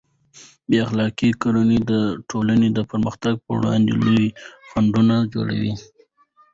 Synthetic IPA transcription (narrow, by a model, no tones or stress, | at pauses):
beaxlɑkikoɾanid̪əʈʰolaned̪əpəɾməxt̪aɡ̚pə̰ɽɑ̰nd̪ḛluwixaɳɖunad͡ʒo̰ɽa̰wi